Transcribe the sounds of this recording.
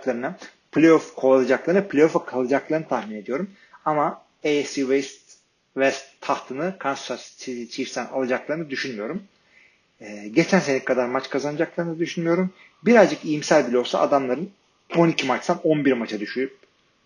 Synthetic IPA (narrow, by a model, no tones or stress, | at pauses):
klˠaɾɯna | pʰlʲejofkʰoalˠad͡ʒaklˠaɾɯnɯpʰlʲejofakʰalˠɯd͡ʒaklˠaɾɯnɯt̪ʰahmine̞d̪ijo̞ɾum | ama | ejsivejst̪ | vɛst̪ʰːaht̪ʰɯnɯkʰanst̪assit̪it͡ʃʰifst̪æna̰lˠad͡ʒaklˠaɾɯnɯd̪yʃynmyjo̞ɾum | ɛːɟe̞t͡ʃʰænse̞nikʰad̪aɾmat͡ʃkʰazanɯd͡ʒaklˠaɾɯnɯd̪yʃynmyjo̞ɾum | biɾazd͡ʒɯkijimsælʲbilʲo̞lˠsa̰a̰d̪amlˠaɾɯn | o̞nicʰimat͡ʃsano̞nbiɾmat͡ʃʰad̪yʃyjyp̚